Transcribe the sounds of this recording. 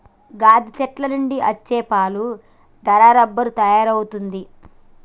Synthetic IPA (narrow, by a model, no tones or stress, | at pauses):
ɡaːd̪ʱit͡ʃɛʈlɐnuɳɖiʔɐt͡ʃːɛːpaːlu | d̪ɐɾaːɾɐbːɐɾut̪ɐjaːɾɐwut̪und̪i